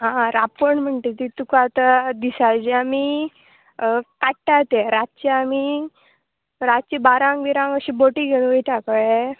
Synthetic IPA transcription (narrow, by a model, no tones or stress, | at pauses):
ɦãɾapəɳm̤əɳʈ̪et̪it̪ukaat̪ad̪isad͡ʑiami | kaʈʈat̪eɾat̚t͡ɕiami | ɾat͡ɕibaɾãŋɡʋiɾãŋɡəɕĩboʈiɡʱeñũʋəiʈakəe